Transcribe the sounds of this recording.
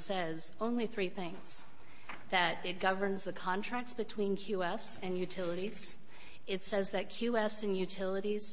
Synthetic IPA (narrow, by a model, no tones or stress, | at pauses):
sɛz | õʊ̃nliθɹiθɪ̃ŋz̥ | ðɨɾɪt̚ɡ̥ʌvə̃˞nzðɨkʰɑ̃ntʰɹ̥æk̚tsb̥ɨtʰw̥ĩnkʰj̥ʉɛfsɨ̃njʉtʰɪlˠəɾiz̥ | ɨtsɛzðɨt̚kʰj̥ʉɛfsɨ̃njʉtʰɪlˠəɾiz̥